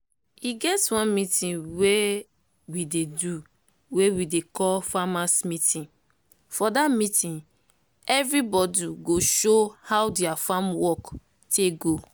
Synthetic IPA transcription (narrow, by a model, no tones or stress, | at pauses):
iɡɛtwãnmitĩnwe | widedu | wewidekɔlfamãsmitʰĩn | fɔdamitĩn | ɛvɹibɔdiɡoʃohawdiafamwɔk | tʰeɡo